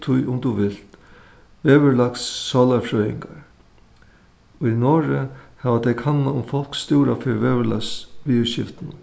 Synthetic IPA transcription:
t̪ʰʊjʔʊmt̪uʋɪl̥t̪ | ʋeːʋɪɹlaksːɔːlaɹfɾœːjɪ̰ŋkaɹ | unɔːɾɪhɛːʋat̪ɛjkʰanːaʊmfɔl̥ksːt̪uːɾafɪɾʋɛːʋɪla̰ksʋiːɕɪ̰ft̪ɪnʊ

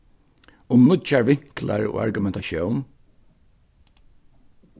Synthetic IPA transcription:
ʊmnʊt͡ʃaɹʋɪŋ̥kla̰ɹo̰ːa̰ɹɡʊmɛnt̪aʃjown

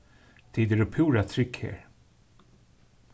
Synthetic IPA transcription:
t̪ʰiːd̪əɾɵpʰuːɾat̪ʰɾʏkhḛːɾ

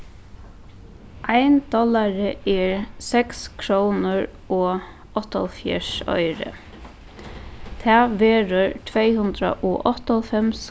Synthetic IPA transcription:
ʔaɪnd̪̥ɔlaɾəɛːɹsɛkskʰɾownəɹ | ɔː | ɔht̪ɔlfjɛ̰ʂɔ̰ʏɾə̰ | t̪ʰæːʋeːɾəɹt̪ʰʋeɪhʉnd̪ɾa̰ʔɔ̰ːʔɔt̪ɔlfɛms

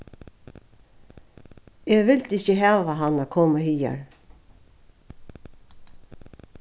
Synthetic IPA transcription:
ɛʋɪlt̪ɪççəɦɑːʋaɦanːakʰoːmahiːa̰ɹ

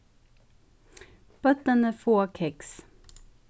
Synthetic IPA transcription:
b̥œt̪ənəfoːkʰɛks

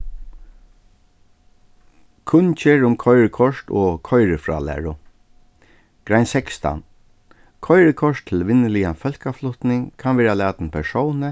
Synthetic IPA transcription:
kʰʊnt͡ʃeːɹʊmkʰɔjɹəkʰɔʂt̪ɔ̰ːkʰɔjɾəfɹa̰ːlæ̰ːɹʊ | ɡ̥ɾajnsɛkst̪a̰n | kʰɔjɹəkʰɔʂt̪ʰːɪlʋɪnːəlijafœl̥kaflʊht̪nɪŋkʰanʋɛːɾalæːt̪npʰɛʂɔwnə

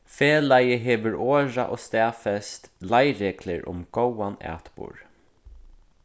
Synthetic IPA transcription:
feːlajəɦeːʋəɹoːɹaʔoːst̪ɛːfɛst̪lajɾeːklɪɹʊ̰mɡ̥owanæ̰ːt̪bṵːɹ

